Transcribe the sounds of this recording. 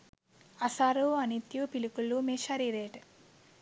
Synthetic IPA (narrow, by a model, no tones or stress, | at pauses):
ɐsaːɾuɐnit̪jupilikulːumeːʃaːɾiɾeːʈ